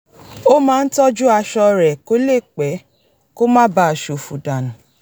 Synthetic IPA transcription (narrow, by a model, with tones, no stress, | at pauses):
o˦mãː˦n̩˦tɔ˦d͡ʒu˦a˧ʃɔ˧ɾɛ˨ko˦le˦˨k͡pɛ˨˦ | ko˦mãː˦ba˧˦˨ʃo˨fu˨da˨nũ˨